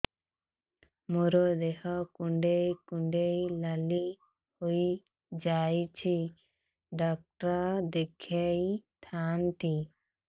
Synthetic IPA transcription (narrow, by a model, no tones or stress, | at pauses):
mɔɾod̪ɛhɔkuɳɖejkuɳɖejlali | huj | d͡ʒajt͡ʃʰi | ɖak̚ʈad̪ɛkʰɛjt̪ʰant̪i